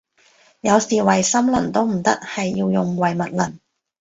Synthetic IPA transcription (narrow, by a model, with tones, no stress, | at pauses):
jɐ˨˧wsiː˨wɐ˨˩jsɐ˥mlɐ˨˩nt̪o˥wm̩˨˩t̪ɐ˥k̚hɐ˨jːi˧wjʊ˨˩ŋwɐ˨jmɐ˨t̚lɐ̰˨˩n